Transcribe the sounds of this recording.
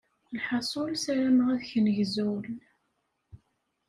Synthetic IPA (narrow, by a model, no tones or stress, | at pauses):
lħɑsˤolsæɾæmʁæðçənʝzul